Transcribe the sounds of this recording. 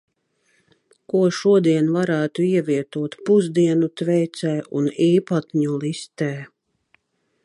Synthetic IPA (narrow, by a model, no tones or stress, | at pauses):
kuɔʃuɔd̪iɛnvaɾaːt̪uiɛvʲiɛt̪uɔt̪puzd̪iɛnut̪vɛjt̪sɛːʔuniːpat̪ʲɲulˠist̪ɛː